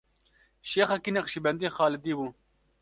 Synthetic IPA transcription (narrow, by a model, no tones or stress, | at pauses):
ʃeːxɐkinɐqʃibɛnd̪ijxɑːlɪd̪iːbuː